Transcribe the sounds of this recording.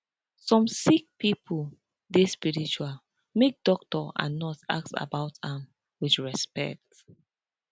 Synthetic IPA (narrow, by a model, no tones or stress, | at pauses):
sɔ̃msik̚pipʰu | despiɹit͡ʃual | mek̚d̥ɔk̚tɔã̰nːɔta̰k̚sa̰baʊtãm | wiθɹɛspɛ̰k̚t